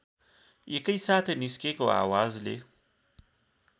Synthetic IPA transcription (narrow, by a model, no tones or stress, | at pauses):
jekəjsaːt̪ʰeniskekoa̰ːwaːzlḛ